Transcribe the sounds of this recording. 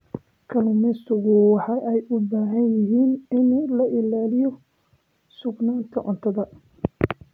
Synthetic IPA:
kʰɐlʊmɪst̪ʰʊɣʊwɑħɑʔɛjʊbaːɦɐnjɪɦiːnɪnlɐʔɪlaːlɪjɔ | sʊɡnaːnt̪ʰɐʔɔnt̪ʰɐðɐ

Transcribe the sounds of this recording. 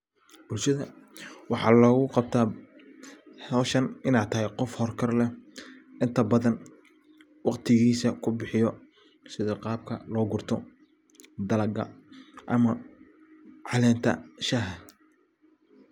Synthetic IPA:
bʊlʃɐðɐwɑħɑːlɔːɣʊqɑb̚t̪ʰaː | ɐʃɐnɪnaːt̪ʰɐɦɛjqɔfhɔrkʰɐrlɛ | ɪnt̪ʰɐbɐðɐn | wɑqt̪ʰɪɣiːsɐkʰʊbɪħɪjɔ | sɪðɐqɑːb̚kʰɐ̰lɔːɡʊrt̪ʰɔ | d̪ɐlɐɡɐ̰ʔɐmɐ | ʕɑlɛːnt̪ʰɐ̰ʃaɦɐ

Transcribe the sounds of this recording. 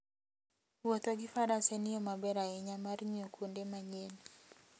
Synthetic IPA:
wot̪oɡɪfaɾasɛnɪjɔmabɛɾaɛɲamarɲokʰundemaɲen

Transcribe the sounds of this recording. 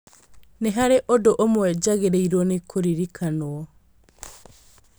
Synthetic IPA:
nɛɦaɾeʔodoʔomwɛd͡ʒaɣeɾeiɾwɔnekʰoɾiɾikʰanoɔ

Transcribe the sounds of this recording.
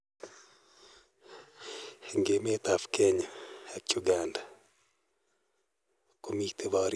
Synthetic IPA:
ŋɡemet̪afkɛɲak̚t͡ʃuɡanda | komik̚t̪ebaɾ

